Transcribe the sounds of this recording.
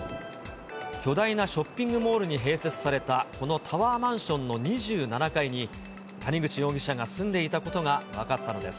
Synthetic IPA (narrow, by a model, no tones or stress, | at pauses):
kʲo̞d̪ainaɕo̞pʲːĩŋɡɯ̟mo̞ːɾɯ̟ɲ̟iɦe̞ːse̞t͡sɨ̥saɾe̞t̪ako̞no̞t̪ʰaβaːmãɰ̃ɕõ̞nːo̞ɲ̟iʑɨːnanakaiɲ̟i | t̪ʰaɲ̟ʲiɡɯ̟t͡ɕijo̞ːɡʲiɕaɡasɨ̃nd̪e̞it̪ako̞t̪o̞ɡaβakat̪ːano̞d̪e̞sɨ̥